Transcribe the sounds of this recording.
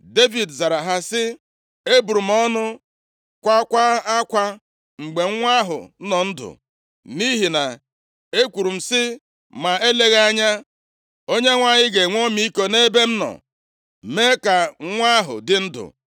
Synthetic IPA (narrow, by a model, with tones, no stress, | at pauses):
de˦vi˨dza˨ɾa˨ɦa˦sɪ˦ | e˦bu˨ɾu˨m̩˦ɔ˦nʊ˦ | kʷa˦kʷa˦a˦kʷa˦ | ŋ͡m̩˨ɡ͡be˨ŋ˦ŋʷa˦ɦʊ̰˨˦nɔ˨n̩˦dʊ̰˨ | ni˦ɦi˨na˨ | e˦kʷu˨ɾu˨m̩˨sɪ˦ | ma˨e˦le˦ɣa˦ɲa˦ | o˦ɲe˦ŋʷa˨ɲɪ˦ɡe˨ŋʷo˦mi˦ko˨ne˦be˦m̩˦nɔ̰˨ | me˦ka˨ŋʷa˦ɦʊ̰˨dɪ˦n̩˦dʊ̰˨